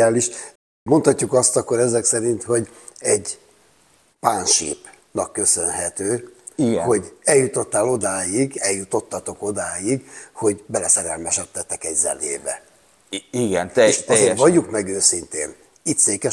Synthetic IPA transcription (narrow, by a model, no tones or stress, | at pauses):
aːliʃ | mo̞nt̪hɒcːukɒst̪ɒkːo̞ɾɛzɛksɛɾint̪ho̞ɟ | ɛɟ | paːnʃḭːp | nɒkːø̞sø̞nɦɛt̪øːiɡho̞ɟɛljut̪o̞t̪ːaːlo̞d̪aːjiɡɛljut̪o̞t̪ːɒt̪o̞ko̞d̪aːjiɡho̞ɟbɛlɛsɛɾɛlmɛʃɛt̪ːɛt̪ːɛkɛɟzɛ̰nḛːbɛ̰ | iɡɛneʃɛzeːɾʋɒɟːukmɛɡøːsint̪ḛːn | it̪seːkɛ